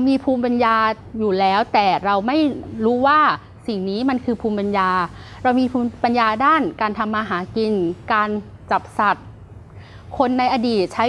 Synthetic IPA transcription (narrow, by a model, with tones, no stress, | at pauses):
wmiː˧pʰuː˧mpa˧njaː˧ | juː˨˩lɛː˦˥wt̪ɛː˨˩ɾa˧wma˥˩jɾuː˦˥waː˥˩ | si˨˩ŋniː˦˥ma˧nkʰɯː˧pʰuː˧mpa˧njaː˧ | ɾa˧wmiː˧pʰuː˧pa˧njaː˧daː˥˩nkaː˧nt̪ʰa˧mːaː˧ɦaː˩˦ki˧nkaː˧n | t͡ɕa˨˩p̚sa˨˩t̪̚ | kʰo˧nːa˧jʔa˧diː˨˩t̪̚t͡ɕʰa˦˥